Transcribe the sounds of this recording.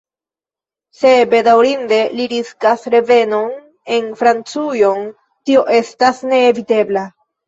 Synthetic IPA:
se̞be̞dawɾinde̞liɾiskasɾe̞ve̞no̞n | e̞nfɾant͡sujo̞n | tio̞ʔe̞stasne̞ːvite̞bla

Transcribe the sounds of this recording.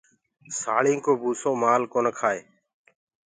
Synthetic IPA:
saːɭĩːkoːbʱuːsõːmaːlkoːnkʰaːeː

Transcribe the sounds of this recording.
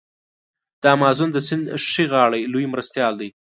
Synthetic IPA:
d̪̥ɑmɑːzund̪əsɪnd̪ʂiɣɑɽajlujmɾast̪jɑld̪aj

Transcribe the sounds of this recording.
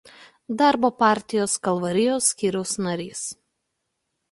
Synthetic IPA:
d̪ɑˑɾboːpɑˑɾʲt̪ʲɪjoːskɐlˠʋɐɾʲɪjoːsʲːkʲiːɾʲɛʊsnɐɾʲiːs

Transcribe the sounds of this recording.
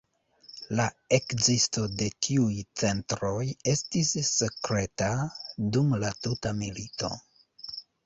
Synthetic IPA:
lae̞kzisto̞de̞tʰiujt͡se̞ntɾo̞je̞stisːe̞kɾe̞tadumlatutamilito̞̰

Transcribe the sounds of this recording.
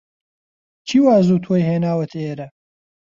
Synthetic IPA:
t͡ʃʰiːwaːzuːt̪ʰoːjɦeːnaːwɐt̪ʰɐeːɾɐ

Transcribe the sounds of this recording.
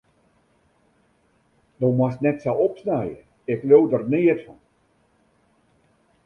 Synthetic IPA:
dowmɔstnɛtsawɔpsnajə̰ | ɪkloːdərnɪətfɔn

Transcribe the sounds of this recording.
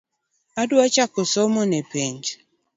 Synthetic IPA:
adwat͡ʃakɔsɔmɔnepiɲd͡ʒ

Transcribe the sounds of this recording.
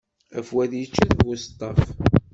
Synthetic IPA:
æfwæðjət͡ʃːæðvwʊst̪ˤːɑf

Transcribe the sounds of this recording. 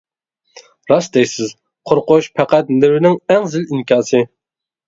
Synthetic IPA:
ɾɑsd̪ɛjsɪz | qʰoɾqʊʃpʰæqæt̪nɪwɪnɪŋɛŋzɪliŋkʲʰɑːsɨ

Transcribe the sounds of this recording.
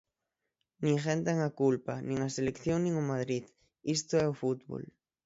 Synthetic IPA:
nĩŋxent̪eŋakulpanĩŋaselekθjoŋnĩŋʊmað̞ɾið | ist̪oɛofut̪βo̰l

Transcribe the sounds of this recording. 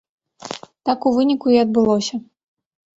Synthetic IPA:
t̪akuvɨnʲikuiɐd̪̚bɨlˠɔsʲɐ

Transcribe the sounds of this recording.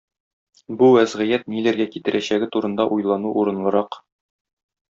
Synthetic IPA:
buwæzʁɤ̆jæt̪̚nilæɾɡækit̪ɘ̆ɾʔæɕæɡɘt̪uɾɤ̆nd̪ɑʔujlˠɑnuʔuɾɤ̆nlˠɤ̆ɾɑq

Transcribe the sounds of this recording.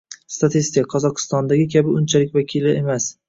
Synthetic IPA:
st̪at̪ʰist̪ɪkaqʰɒzɒqʰɨ̥st̪ɒnd̪aɡʲɪkʲʰabɪʊnt͡ʃʰalɪk̚ʲvakʲʰilɪe̞mas

